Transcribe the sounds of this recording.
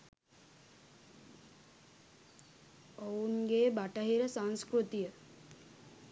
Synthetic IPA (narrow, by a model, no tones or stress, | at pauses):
onɡeːbaʈəɦiɾəsanskɾut̪ijə